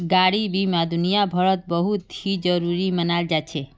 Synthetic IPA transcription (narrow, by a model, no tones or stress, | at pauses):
ɡaɽibimãd̪unijabʱəɭət̪̚bəɦut̪ʰid͡ʒəɾuɾimənald͡ʒat͡ʃʰe